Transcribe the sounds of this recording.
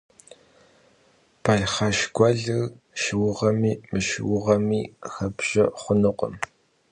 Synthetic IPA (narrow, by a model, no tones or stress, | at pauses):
pʰajχɑʃɡʷɐɮɨɣ | ʃwʊʁɐmiːmɨʃwʊʁɐmiːxɐpʒ̥ɐχʷʊnɨqʷə̰m